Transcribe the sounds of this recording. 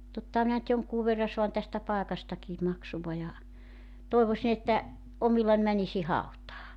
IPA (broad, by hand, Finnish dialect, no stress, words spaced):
totːɑhɑ minæ ny̆t joŋkuː ʋerːɑ soɑn tæstæ pɑekɑstɑkiː mɑksuʋɑ jɑ toˑiʋosin etːæ ʔomilːɑn mænisi hɑutɑː